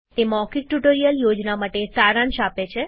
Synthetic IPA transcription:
t̪emɔkik̚ʈuʈoɾijəljod͡ʒnamaʈesaɾãnʃapet͡ʃʰe

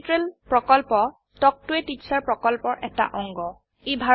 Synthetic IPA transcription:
tɹelpɹɔkɔlpɔ | tɔk̚tʊɛtisaɹpɹɔkɔlpɔɹʔɛta̰ʔɔŋɡɔ | ejbʱa

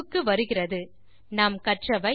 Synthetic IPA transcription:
kːɯʋɐɾɯɣɪrɐðɯ | nɐmkɐʈrɐʋɐɪ

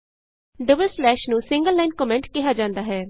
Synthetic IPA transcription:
ɖəbəlslɛːʃnũːsɪ̃ŋɡəlːɛːnkɔːmɛ̃ɳʈkɪɦaːd͡ʒãːnd̪aːɦɛː

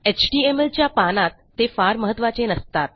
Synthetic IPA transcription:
et͡ɕʈiemelt͡ɕjapanat̪ːefaɾməɦət̪ːʋat͡ɕenəst̪at̪̚

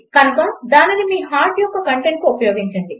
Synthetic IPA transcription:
kɐnukaːd̪aːninimiːɦaːɾʈjɔkːɐkɐɳʈeɳʈ̚kuupɐjo̞ːɡiɲt͡ʃɐɳɖi

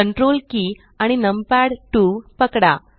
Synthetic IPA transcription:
əɳʈɾolki | aɽ̃inəmpaɽʈuʋpəkɽa̰

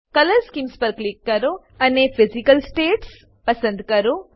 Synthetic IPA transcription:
kɐlɐɾskimspɐɾklikːɐɾo | ɐnepʰizikɐlsʈeːʈs | pɐsɐnd̪kɐɾu

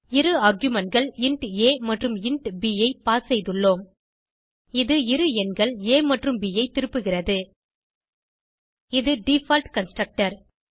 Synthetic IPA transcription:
ɪɾɯɐːɾɡjɯmɐnɡɐɭɪɳʈeːmɐʈrɯmɪɳʈbiːjɐɪpaːsɛjðɯɭːoːm | ɪðɯɪɾɯɛnɡɐɭeːmɐʈrɯmbiːjɐɪt̪ːɪɾɯpːɯɣɪrɐðɯ | ɪðɯɖifaːlʈkɐnsʈrɐk̚ʈɐɾ

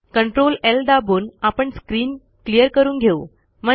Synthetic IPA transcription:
kəɳʈɾolelɖabuːnapəɳskɾiːn | klijəɾkəɾuːnɡʱeu | m̤ə

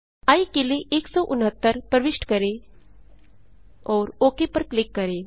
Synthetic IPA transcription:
aikeleʔeːksɔːʔʊnɦət̪ːəɾpəɾʋɪʃʈkəɾeː | ɔːɾoːkepəɾklɪkːəɾeː

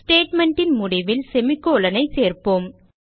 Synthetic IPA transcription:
sʈeːʈmɛɳʈɪnmʊɽɪʋɪlsɛmɪkːoːlɐnɐɪseːɾpoːm

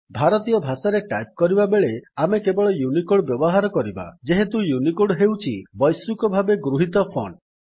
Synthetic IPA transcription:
bʱaɾɔt̪ijɔbʱasaɾeʈajp̚kɔɾibabeɭeamekebɔɭɔjunikoɽbjɔbɔɦaɾɔkɔɾiba̰d͡ʒeɦet̪ujunikoɽɦewt͡ʃʰibɔjsukɔbʱabeɡɾuɦit̪ɔpʰɔ̰n

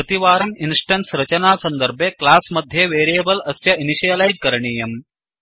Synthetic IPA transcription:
ɐt̪iʋaːɾɐminsʈɐɳʈsɾɐt͡ʃɐnaːsɐnd̪ɐɾbʱjeklaːsmɐd̪ʱjeʋeːɾeːbɐlɐsjɐiniʃijɐlajd͡ʒkɐɾɐɳiːjɐm

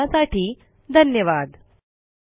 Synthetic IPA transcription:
asaʈʰiː | d̪ʱənjəʋad̪

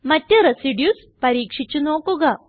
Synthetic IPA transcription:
mɐtːuɾesiɖjus | pɐɾiːkʂit͡ɕːunoːkuɣɐ

